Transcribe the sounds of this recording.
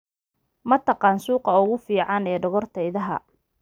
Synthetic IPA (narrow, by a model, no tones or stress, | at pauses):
mɐt̪ʰɑqɑːnsuːqɑʊɣʊfiːʕɑnɛːɖɔɣɔrt̪ʰɐɪðɐɦɐ̰